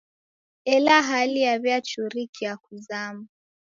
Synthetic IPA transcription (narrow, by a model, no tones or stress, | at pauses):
ɛlaɦaliaβjat͡ʃuɾikijakuzama